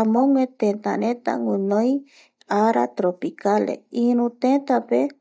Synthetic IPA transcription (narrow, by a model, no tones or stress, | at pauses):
amõŋwet̪ẽnt̪a̰ɾẽt̪a̰ŋʷɨ̃nõj | aɾa̰t̪ɾopikalḛiɾũt̪et̪ape